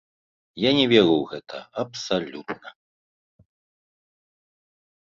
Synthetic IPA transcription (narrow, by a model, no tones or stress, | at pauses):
janʲɛvʲɛɾuwɣɛt̪ʰɐ̰ɐpsalʲut̪nɐ